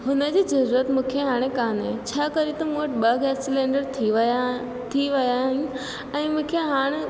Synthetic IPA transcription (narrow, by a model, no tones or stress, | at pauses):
ɦʊnəd͡ʑiːzɐɾuːɾət̪mũːkʰeɦaːɽ̃ekaːnɦɛ̃t͡ɕʰaːkɐɾit̪ɐmũʈɓɐɡɛːssɪlẽːɳɖəɾt̪ʰiʋ | t̪ʰiʋɐjaɦɪnʊ | ɛ̃ːmũːkʰeɦaːɽ̃e